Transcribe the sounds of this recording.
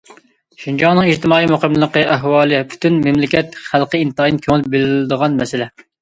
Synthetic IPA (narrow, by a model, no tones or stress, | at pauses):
ʃind͡ʒɑŋnɨŋiʃt̪ɪmɑːimoqəmlˠəqəʔæɦwɑːlˠɨpʰy̥t̪ynmɪmlɪkʲɛt̪χælqəint̪ɨinkʲʰøŋɪlɪp̚bɪlɪld̪əʁɑnmɛsɪlɛ